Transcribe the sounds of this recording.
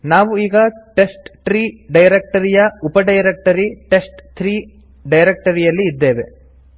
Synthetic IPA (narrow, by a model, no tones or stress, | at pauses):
naːʋuiːɡɐʈe̞sʈʈɾiːɖɐjɾek̚ʈɐɾijɐupɐɖɐjɾek̚ʈɐɾiʈe̞sʈt̪ʰɾiː | ɖɐjɾek̚ʈɐɾijɐlːiːd̪ːe̞ːʋe